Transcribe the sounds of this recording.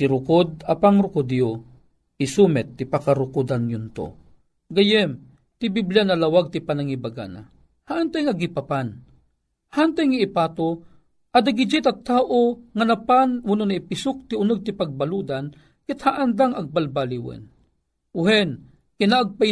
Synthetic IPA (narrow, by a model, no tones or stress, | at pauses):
t̪iɾʊkod̪̚apaŋɾʊkʊd̪jo | ɪsumɛt̪ːipakaɾʊkʊd̪anjʊnt̪o̰ | ɡajɛm | t̪ibiblijanɐlawaɡ̚t̪ɪpanaŋibaɡa̰na̰ | haʔant̪ajŋaɡipapan | hant̪ajŋaɪpaːt̪o | ʔɐd̪aɡid͡ʒit̪ɐɡ̚t̪aːʔoŋanapanwʊnonaipɪsʊk̚t̪iʊnɨɡ̚t̪ɪpaɡ̚balud̪an | kɛt̪haʔand̪aŋɐɡ̚balbaliwɛ̰n | ʊhɛn | kɪnaːɡ̚pa